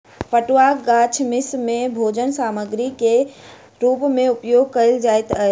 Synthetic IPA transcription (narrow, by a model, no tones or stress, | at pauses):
pəʈwaːɡaːt͡ʃʰmɪsmẽbʱoːd͡ʒənsaːməɡɾike | ɾuːpmẽʊpjoːɡ̚kəld͡ʒaːet̪əe